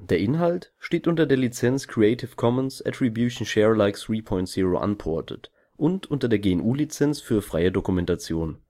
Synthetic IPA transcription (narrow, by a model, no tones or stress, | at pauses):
d̥eːɐʔɪnɦaltʃteːtʔʊntɐdeːɐlit͡sɛnskʁ̥iɛɪtʰɪfkʰɔmənsɛ̰tʁ̥ibjuːʃn̩ʃɛːʁlaɪksʁiːpʰɔʏntz̥iːʁo̰ʔa̰npʰɔɐtʰə̰t | ʔʊntʔʊntɐdeːɐɡeːɛnʔuːlit͡sɛnt͡sfyːɐfʁ̥aɪədokumɛntat͡sjoːn